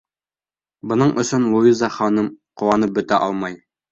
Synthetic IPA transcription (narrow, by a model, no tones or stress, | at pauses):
bŏnɤɴʔɵ̆sɵnlˠuizɑχɒnɤmqŭwɑnɤp̚bɵ̆t̪æʔɒlˠmɑj